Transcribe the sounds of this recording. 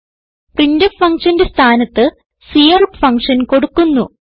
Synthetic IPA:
prindɐfɐŋkʂɐnde̞st̪ʰaːnɐt̪ːɨ | sijɐrupfɐŋkʂɐnko̞ɽukːunːu

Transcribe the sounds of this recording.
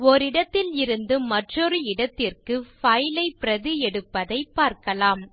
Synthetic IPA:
ɔɾɪɽɐt̪ːɪlɪɾɯnd̪ɯmɐʈrɔɾɯɪɽɐt̪ːɪrkɯfɐjlɐɪpɪɾɐðɯɛɽɯpːɐðɐɪpːaːɾkɐlaːm

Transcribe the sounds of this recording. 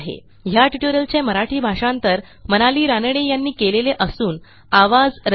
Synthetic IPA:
ɦḛ | ɦjaʈiʈoɾjəlt͡ɕeməɾaʈʰiːbʱaʂãnt̪əɾ | mənaliːɾanɽejanːiːkeleleʔəsuːn | aʋad͡zɾ

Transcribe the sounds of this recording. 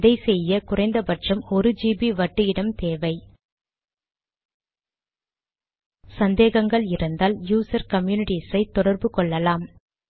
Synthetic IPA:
ðɐɪsɛjːɐkʊrɐɪnd̪ɐpɐʈt͡ʃɐmɔɾɯd͡ʒiːbiʋɐʈːɯɪɽɐmt̪eːʋɐɪ | sɐnd̪eːɣɐŋɡɐɭɪɾɯnd̪aːljuːsɐɾkɐmjuːnɪʈisɐɪt̪ːɔɽɐɾbɯkɔɭːɐlaːm

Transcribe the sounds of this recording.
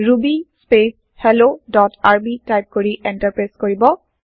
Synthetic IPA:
ɹubispes | hɛlodɔtaɹbitajp̚koɹiʔɛntaɹpɹeskoɹibɔ

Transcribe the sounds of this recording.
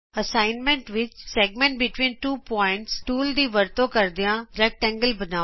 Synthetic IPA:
əsaːɪnmɛ̃ɳʈʋɪt͡ʃsɛːɡ̚mɛ̃ɳʈ̚bɪʈʋĩːnʈuːpɔːɪ̃ɳʈsʈuːld̪iːʋəɾt̪õkəɾd̪ijãɾɛk̚ʈɛ̃ːŋɡəlbənaː

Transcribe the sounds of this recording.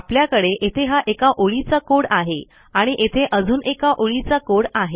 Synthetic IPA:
apljakəɽeʔet̪ʰeɦaʔekaʔoɭit͡sakoɽaɦe | aɽ̃iʔet̪ʰeʔəd͡zuːnekaʔoɭit͡sakoɽaɦe

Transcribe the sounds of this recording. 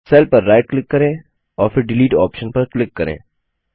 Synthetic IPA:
sɛːlpɐɾːaːɪʈ̚klɪkːɐɾẽː | ɔːɾfɪɾɖɪliːʈɔ̰ːpʃənpɐɾklɪkːɐɾḛ̃ː

